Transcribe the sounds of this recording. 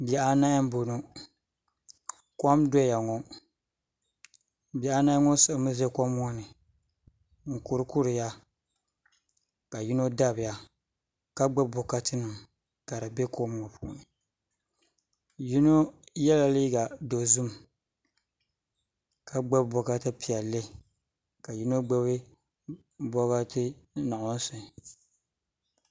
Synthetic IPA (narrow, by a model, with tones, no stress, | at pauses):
bi˨a˨ʔa˦na˦m˦bo˨no˦ | kʷɔ˦mdɔ˦ja˨ŋɔ˦ | bi˨a˨a˦na˦ŋɔ˦sɨ˦˨˦mɨ˦zɛ˦kɔ˦mː˦ɔ˦nɨ˨ | ŋ̩˨ku˨ɾɨ˦ku˦ɾɨ˨ja˦ | ka˨ji˦no˦da˦bɪ˨ja˦ | ka˦ɡ͡ba˦bo˨ka˦tɨ˦nɨ˨m | ka˨ɾa˨be˦kɔ˦m˦ɔ˦pʰu˦˨˦nɨ˨ | ji˦no˦jɛ˦la˨li˦ɡa˨do˨zu˦m | ka˦ɡ͡ba˦bbɔ˨ka˦tɨ˦pi˨a˨le˦˨ | ka˨ji˦no˦ɡ͡bɛ˦βɪ˦ | bɔ˦ɣa˦tɨ˦na˨ʔʊ˦n̩˦sʊ˨